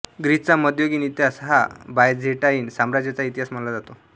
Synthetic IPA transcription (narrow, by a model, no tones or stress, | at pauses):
ɡɾit͡saməd̪joɡiːnit̪jasɦa̰bajd͡zʱeʈaiːnsamɾad͡ʑjat͡sait̪iɦasm̤əlad͡zat̪o